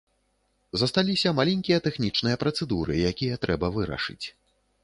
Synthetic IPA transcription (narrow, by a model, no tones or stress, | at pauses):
zɐst̪alʲisʲɐmalʲɛnʲkʲijɐt̪ɛxnʲit͡ʂnɨjɐpɾɐt̪sɛd̪uɾɨjakʲijɐt̪ɾɛbɐvɨɾɐ̰ʂɨ̰t͡sʲ